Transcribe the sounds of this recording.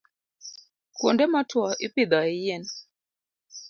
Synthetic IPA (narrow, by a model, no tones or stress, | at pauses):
kwɔndɛmatwaʔipid̪aijɛn